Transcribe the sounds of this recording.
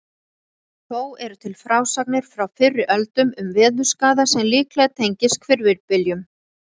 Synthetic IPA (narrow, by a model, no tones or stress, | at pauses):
θoːwɛɾʏt̪ʰɪlfɾaːwsak̚nɪɾ̥fɾawfɪrːʏʔœlt̪ʏmʏmvɪːðʏ̥skaːðasɛmliːklɛɣt̪ʰejɲcɪskʰvɪɾvɪɾpɪljʏm